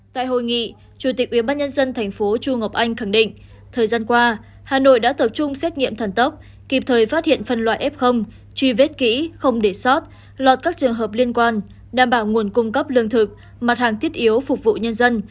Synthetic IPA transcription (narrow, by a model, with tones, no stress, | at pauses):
t̪a̰ː˧˨jɦo̰˧˨jŋḭ˧˨ | t͡ɕu˧˩t̪i˨˩k̚ʔwi˧˩ɓaː˧nɲə˧nzə˧nt̪ʰɛ˨˩jŋ̟fo˨˦t͡ɕu˧ŋə˨˩wp̚ʔa˧jŋ̟xa˧˩ŋɗḭ̈˧˨ŋ̟ | t̪ʰəː˨˩jzaː˧nkwaː˧ | haː˨˩no̰˧˨jɗa̰ː˧˥t̪ə˨˩p̚t͡ɕʊ˧ŋ͡msɛ˦˥t̚ŋḭ˧əmt̪ʰə˨˩nt̪ə˦˥p̚ | ki˨˩p̚t̪ʰəː˨˩jfaː˦˥t̚hḭ˧˨ənfə˨˩nlwa̰ː˧˨jʔɛ˦˥p̚xə˧wŋ͡m | t͡ɕwi˧ve˦˥t̚kḭ˧˥xə˧wŋ͡mɗe˧˩sɔ˦˥t̚ | lɔ˨˩t̚kaː˦˥k̚t͡ɕɨ˨˩əŋɦəː˨˩p̚li˧ənkwaː˧n | ɗaː˨˩mɓaː˧˩wŋu˨˩ənkʊ˧ŋ͡mkə˦˥p̚lɨ˧əŋt̪ʰɨ˨˩k̚ | ma˨˩t̚haː˨˩ŋt̪ʰi˦˥ət̚ʔi˨˦əwfʊ˨˩k͡p̚vṵ˧˨ɲə˧nzə˧n